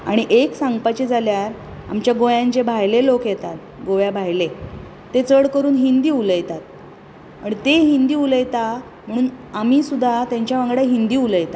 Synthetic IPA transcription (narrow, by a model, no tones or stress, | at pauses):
a̰ɽ̃iʔeksãŋɡpat͡ɕed͡zaljaɾ | a̰mt͡ɕjaɡojãɲt͡ɕebʱajlelokjɛt̪at̪ | ɡoʋjabʱajleː | et͡səɽkəɾuːnɦind̪iːuləjt̪at̪̚ | aɽit̪eɦind̪iːuləjt̪a | m̤əɽ̃uːnamiːsud̪ʱːat̪jaɲt͡ɕjaʋəŋɡɽaɦind̪iːuləjt̪a